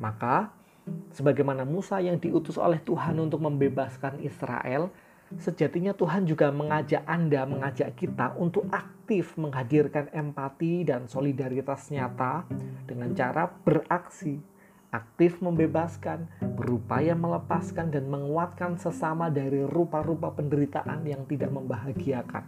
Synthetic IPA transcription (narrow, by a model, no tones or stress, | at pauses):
maka | səbaɡajmanamusajaŋdiʔut̪ʊso̰lɛht̪uɦanunt̪ʊk̚məmbebaskanḭsɾa̰ʔɛl | səd͡ʒat̪iɲat̪uɦand͡ʒuɡaməŋad͡ʒaʔandaməŋad͡ʒaʔkit̪a̰ʔunt̪ʊkʔak̚t̪ɪfməŋɦadirkanɛmpat̪idansolidaɾit̪asɲat̪ad̥əŋant͡ʃaɾʔab̥əraksi | ʔak̚t̪ɪfməmbebaskanbəɾupa̰jamələpaskandanməŋuat̪̚kansəsamadaɾirupaɾupapəndəɾit̪aʔa̰njaŋt̪idaʔməmbaɦaɡiaka̰n